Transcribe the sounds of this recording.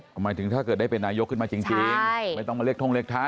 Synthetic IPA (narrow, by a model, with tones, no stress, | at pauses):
maː˨˦jt̪ʰɯ˩˦ŋt̪ʰaː˥˩kɤː˨˩t̪̚da˥˩pe˧nːaː˧jo˦˥kʰːɯ˥˩nmaː˧t͡ɕi˧ŋt͡ɕi˧˥˩ja˥˩jt̪ɔ˥˩maː˧li˥˩ət̪ʰo˧ŋli˥˩k̚t̪ʰa˦˥˩